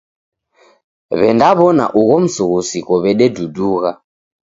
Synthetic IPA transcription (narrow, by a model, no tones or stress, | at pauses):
βɛndaβɔna̰ʔuɣɔm̩suɣusikɔβɛɗɛduduːɣa